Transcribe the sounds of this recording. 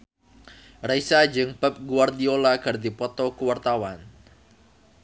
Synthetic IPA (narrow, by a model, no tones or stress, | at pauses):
raisad͡ʒɨŋb̥ap̚ɡuward̪iolakard̪ipɔt̪ɔkuwart̪awan